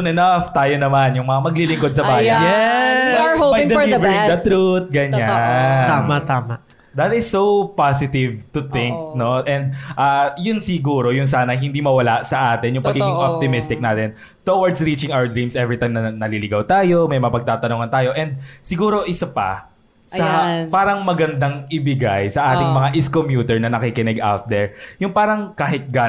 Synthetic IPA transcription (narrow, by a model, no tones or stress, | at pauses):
onɛnɐft̪aːjonɐmanjʊŋmɐŋamɐɡlilɪŋkod̪̚sɐbaːjɐjɛ | hobɐjd̪ɐibɹɪd̪ɐt̪ɾut̪̚ɡɐɲaamat̪aːma | d̪ɐt̪ɪsːowpasɪt̪ɪvt̪ʊt̪ɪ̃ŋk̚no̞ʔɛ̃nd̪̚ʔajʊnsɪɡuːɾo̞jʊns̬aːnɐɦɪnd̪imɐwɐlasɐʔaːt̪ɪnjʊŋpɐɡɡiɡɪŋʔop̚t̪ɪmɪst̪ɪk̚naːt̪ɛn | t̪owɐɹd̪sɾiːt͡ʃɪŋawəɹd̪ɹĩmsʔɛvɹɪt̪ãjmnɐnɐlilɪɡawt̪aːjo̞mɐjmɐŋapɐɡ̚t̪aːt̪ɐnoːŋɐnt̪aːjo̞ʔɛnd̪̚sɪɡuːɾo̞ʔɪsɐpɐ̰ | sɐpaːɾɐŋmɐɡɐnd̪aŋɪbɪɡajsɐʔaːt̪ɪŋmɐŋaʔɪskomjuːt̪ɛɹnɐnɐkɪkɪnɛɡʔawt̪̚d̪ɛɹjʊŋpaːɾɐŋkaːɦɪt̪̚ɡa